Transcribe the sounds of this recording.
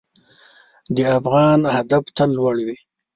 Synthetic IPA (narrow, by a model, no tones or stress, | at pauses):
d̪əafɣɑnhad̪aft̪alːwaɽwi